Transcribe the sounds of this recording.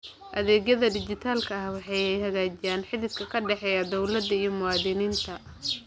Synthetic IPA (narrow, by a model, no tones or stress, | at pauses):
ʔɐðɛːɣjɐðɐd̪ɪd͡ʒɪt̪ʰaːlkʰɐɐhwɑħɑjɛjhɐɣaːt͡ʃɪjaːnħɪðɪskʰɐkʰɐɖɛħɛːjɐd̪ɔwlɐd̪ːɐijɔmʊɑːðɪniːnt̪ʰɐ